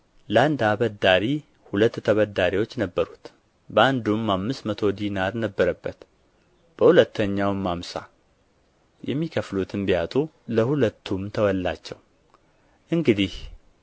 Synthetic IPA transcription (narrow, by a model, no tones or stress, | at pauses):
ləand̪aβəd̪aɾi | hulət̪ːt̪ʰəβəd̪aɾiwot͡ʃːnəbːəɾut̪ | bəand̪umːamːɨst̪mət̪ʰo̞d̪inaɾnəbːəɾəbːət̪ | b̥əhulət̪ːəɲːawɨmːamsa̰ | jɛmːikʰəflut̪ʰɨnbijat̪ʼu | ləhulət̪ʰːumt̪ʰəwɔlːa̰t͡ʃːɛw | ʔɨŋɡɨd̪ih